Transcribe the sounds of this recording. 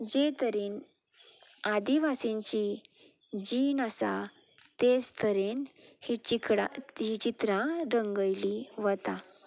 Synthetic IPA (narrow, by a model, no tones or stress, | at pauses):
d͡ʑet̪əɾin | ad̪iʋasẽɲt͡ɕi | d͡ʑinasa | t̪ed͡zt̪ʰəɾenhit͡ɕikɽa̰ɦit͡ɕit̪ɾãɾəŋɡəjliʋət̪a